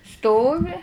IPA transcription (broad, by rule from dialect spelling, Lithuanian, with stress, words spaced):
ˈstoːʋʲɪ